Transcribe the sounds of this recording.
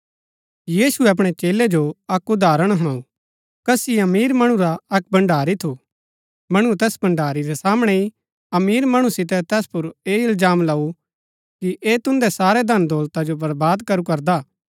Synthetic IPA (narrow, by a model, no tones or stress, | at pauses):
jiːsuɛɐp̬ɽ̃ɛt͡ʃeːled͡ʒoɐkʊd̪ʱaːɾəɽ̃ɦɐɽ̃aːu | kɐsiɐmiːɾmɐɽ̃ũɾaɐk̚bɐ̃ɳɖʱaːɾit̪ʰu | mɐɽ̃ut̪ɛːsbɐ̃ɳɖaːɾiɾɛsaːmɽ̃ɛi | ɐmiːɾmɐɽ̃usɪt̪ɛt̪ɛːspʊɾeːɪlzaːmlɐu | kiʔeːt̪ʊ̃nd̪ɛsaːɾɛd̪ʱɐnd̪ɔːlt̪ad͡ʒobɐɾbaːd̪kɐɾukɐɾd̪aː